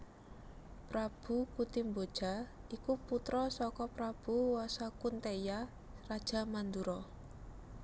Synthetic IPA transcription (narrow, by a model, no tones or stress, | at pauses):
pɾab̥ṳkut̪imbod̥ʒ̥a̤ikuput̪ɾɔsɔkɔpɾab̥ṳwɔsakunt̪eja | rad̥ʒ̥a̤mand̪uɾɔ